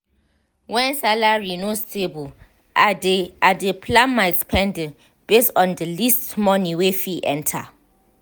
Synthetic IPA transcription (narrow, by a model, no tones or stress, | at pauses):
wɛ̃nsalaɹinostʰebu | ʔadeadepʰlãnmajtspʰɛ̃nd | b̥estɔ̃ndəlistmɔniwefiʔɛ̰̃ntʰa̰